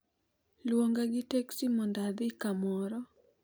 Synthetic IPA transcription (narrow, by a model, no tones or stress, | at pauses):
lwoŋɡaɡɪteksimɔndad̪ɪkamɔɾɔ